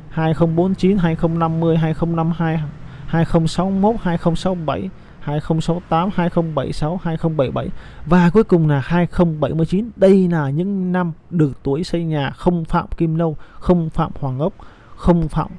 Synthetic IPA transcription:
haː˧jxə˧wŋ͡mɓo˨˦nt͡ɕi˨˦nɦaː˧jxə˧wŋ͡mna˧mːɨ˧əjɦaː˧jxə˧wŋ͡mna˧mhaː˧j | haː˧jxə˧wŋ͡msa˨˦wmo˦˥t̚haː˧jxə˧wŋ͡msa˨˦wɓa˧˩j | haː˧jxə˧wŋ͡msa˨˦wt̪aː˨˦mhaː˧jxə˧wŋ͡mɓə˧˩jsa˨˦whaː˧jxə˧wŋ͡mɓə˧˩jɓa˧˩j | vaː˨˩ku˨˦əjkʊ˨˩ŋ͡mlaː˨˩haː˧jxə˧wŋ͡mɓə˧˩jmɨ˧əjt͡ɕi˨˦nɗə˧jlaː˨˩ɲɨ̰˧˥ŋna˧mɗɨ˨˩ək̚t̪u˨˦əjsə˧jɲaː˨˩xə˧wŋ͡mfa̰ː˧˨mki˧mlə˧wxə˧wŋ͡mfa̰ː˧˨mhwaː˨˩ŋʔə˦˥p̚ | xə˧wŋ͡mfa̰ː˧˨m

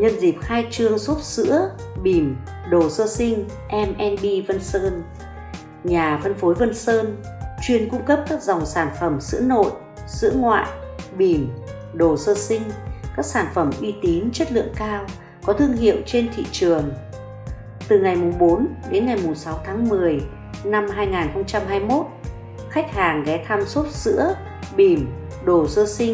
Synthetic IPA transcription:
ɲə˧nzi˨˩p̚xaː˧jt͡ɕɨ˧əso˦˥t̚sɨ̰˧˥ə | ɓi˧˩m | ɗo˨˩səː˧sï˧ŋ̟ | ʔɛ˧mʔɛ˧nɓi˧və˧nsəː˧n | ɲaː˨˩və˧nfo˨˦jvə˧nsəː˧n | t͡ɕwi˧ənkʊ̰˧˥ŋ͡mkə˦˥p̚kaː˦˥k̚za˨˩wŋ͡msaː˧˩nfə˧˩msɨ̰˧˥əno̰˧˨j | sɨ̰˧˥əŋwa̰ː˧˨jɓi˧˩m | ɗo˨˩səː˧sï˧ŋ̟kaː˦˥k̚saː˧˩nfə˧˩mʔi˧t̪i˨˦nt͡ɕə˦˥t̚lɨ̰˧˨əŋkaː˧w | kɔ˨˦t̪ʰɨ˧əŋɦḭ˧˨əwt͡ɕe˧nt̪ʰḭ˧˨t͡ɕɨ˨˩əŋ | t̪ɨ˨˩ŋa˨˩jmʊ˨˩ŋ͡mɓo˨˦nɗe˨˦nŋa˨˩jmʊ˨˩ŋ͡msa˨˦wt̪ʰaː˨˦ŋmɨ˨˩əj | na˧mɦaː˧jŋaː˨˩nxə˧wŋ͡mt͡ɕa˧mɦaː˧jmo˦˥t̚ | xa˦˥jk̟̚haː˨˩ŋɣɛ˨˦t̪ʰaː˧mso˦˥t̚sɨ̰˧˥ə | ɓi˨˩m | ɗo˨˩səː˧sï˧ŋ

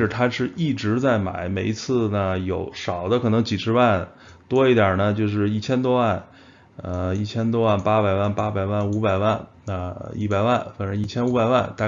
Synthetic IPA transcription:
ʈ͡ʂə˨˩t̪ʰa˥ʂɻ̩˥˧i˥˩ʈ͡ʂɻ̩˧˥t͡sa˥˩ɪma̰˧˩˥ɪme˨˩ɪi˧˥t͡sʰɹ̩˥˩nə˩jo˨˩˥ʊʂɑ˨˩ʊd̪ə˦kʰɤ˨˩nɤ˧˥ŋt͡ɕi˨˩ʂʰɻ̩˧˥wa˥˩n | t̪wɔ˥i˥˩t̪jɐ˞˨˩nə˦t͡ɕjo˥˧ʊʂ̬ɻ̩˥˧i˥˩t͡ɕʰjɛ˥nt̪wɔ˥wa˥˩n | ə˧i˥˩t͡ɕʰjɛ˥nt̪wɔ˥wa˥˩npa˥pa˨˩ɪwa˥˩npa˥ba˨˩ɪwa˥˩nu˧˥pa˨˩ɪwa˥˩n | ə˧ḭ˥˩pa˨˩ɪwa˥˩nfa˨˩ʂə˧˥i˥˩t͡ɕʰjɛ˥nu˧˥ba˨˩ɪwa˥˩nt̪a˥˧

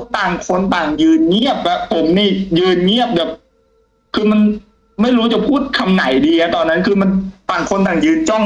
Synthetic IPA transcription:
t̪aː˨˩ŋkʰo˧nt̪aː˨˩ŋjɯː˧nŋi˥˩əp̚bɛ˦˥pʰːo˩˦mniː˥˩jɯː˧nŋi˥˩əp̚bɛː˨˩p̚ | kʰɯː˧ma˧n | ma˥˩jɾuː˦˥t͡ɕa˨˩pʰuː˥˩t̪̚kʰa˧mna˩˦jdiː˧ŋa˧˥t̪ɔː˧nːa˦˥nkʰɯː˧ma˧nt̪aː˨˩ŋkʰo˧nt̪aː˨˩ŋjɯː˧nt͡ɕɔ˥˩ŋ

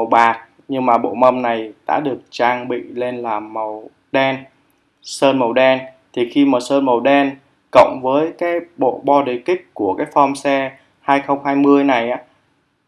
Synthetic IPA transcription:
ə˨˩wɓaː˨˩t̚ | ɲɨ˧ŋmaː˨˩ɓo̰˧˨mə˧mna˨˩jɗa̰ː˧˥ɗɨ˨˩ək̚t͡ɕaː˧ŋɓḭ˧˨le˧nlaː˨˩mːə˨˩w | ɗɛ˧n | səː˧nmə˨˩wɗɛ˧n | t̪ʰi˨˩xi˧mə˨˩səː˧nmə˨˩wɗɛ˧n | kə̰˧˨wŋ͡mvəː˨˦jkaː˨˦jɓo̰˧˨ɓɔ˧ɗe˨˩kï˦˥k̚ku˧˩əkaː˨˦jfɔ˧msɛ˧ | haː˧jxə˧wŋ͡mhaː˧jmɨ˧əjna˨˩jʔaː˨˦

